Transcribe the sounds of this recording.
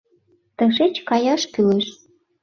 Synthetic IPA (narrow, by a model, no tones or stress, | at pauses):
t̪əʃet͡ɕkɑjɑʃkyleʃ